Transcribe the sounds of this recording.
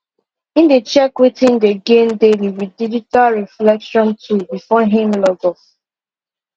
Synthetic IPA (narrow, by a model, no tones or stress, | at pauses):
ĩndet͡ʃɛkwetʰɪ̃ndeɡẽmdeliwid̚did͡ʒitalɹiflɛkʃɔ̃ntʰubifɔɦĩmlɔɡɔs